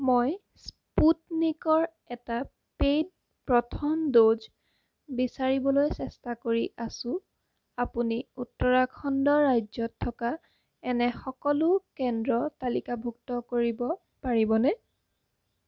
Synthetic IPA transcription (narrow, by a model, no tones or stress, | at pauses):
moj | s | putnikɔɹ | ɛta | pejd̚ | pɹɔtʰɔmdoz | bisaɹibɔlojsɛstakoɹiʔasʊ̃ | apuniutːɔɹakʰɔndɔːajzɔtʰːɔka | ɛnɛxɔkɔlʊkɛndɹɔtalikabʱuk̚tɔkoɹibɔ | paɹibɔnɛ